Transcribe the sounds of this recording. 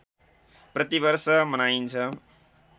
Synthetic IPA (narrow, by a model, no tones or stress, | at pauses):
pɾʌt̪ibʌɾsʌmʌnaint͡sʰʌ